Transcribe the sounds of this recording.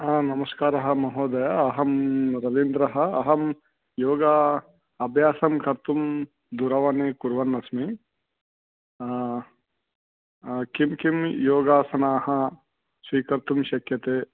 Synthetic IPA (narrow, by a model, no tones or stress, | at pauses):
nɐmɐskaːɾɐɦɐ̆mɐɦoːd̪ɐjɐɦɐmɾɐʋiːnd̪ɾɐɦɐ̆ːɦɐm | joːɡa | ɐbʱjaːsɐmkɐɾt̪um | d̪uɾɐʋaːnekuɾʋɐnːɐsmi | kimkimjoːɡaːsɐnaːhɐ | ʃiːkɐɾt̪umʃɐkjɐt̪eː